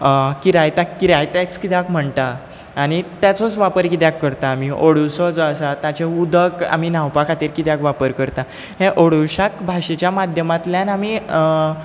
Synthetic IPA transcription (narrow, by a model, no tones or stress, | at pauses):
kiɾajt̪akːiɾajt̪ɛakskit̪jakm̤əɳt̪aː | ñit̪jat͡sɔt͡sʋapəɾkit̪jakːəɾt̪aːmiʔoɽusɔd͡zɔəsat̪at͡ɕeud̪ʱəka̰minãwpakʰat̪iɾkit̪jakʋapəɾkəɾt̪a | ɦẽʔoɽuɕakbʱaɕet͡ɕjamad̪ʱjəmat̪ljanami